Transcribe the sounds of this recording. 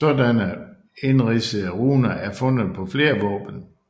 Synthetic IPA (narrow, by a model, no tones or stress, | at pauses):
sɔdænə | e̝nʁisəð̩ˠəʁuːnɐʔæɐfɔ̽n̰ð̩ˠpʰɒ̽fle̝ːɐʋɔ̽ːb̥ən̩